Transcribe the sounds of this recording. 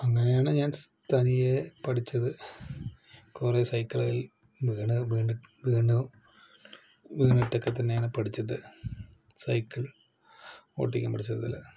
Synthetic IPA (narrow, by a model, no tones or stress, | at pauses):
ɐŋːɐnejaːɳɨɲaːnst̪ʰɐnijepɐʈʰit͡ɕːɐðɨ | kuresɐjkːɐɭɐji | ʋiːɳɨʋiːɳʋiːɳu | ʋiːɳiʈːokːet̪ːɐnːejaːɳɨpɐʈʰit͡ɕːɐðɨ | sɐjkːɐɭ | o̞̰ːʈːikʲːa̰ːmpɐʈʰit͡ɕːɐððɐ̰lːɐ̰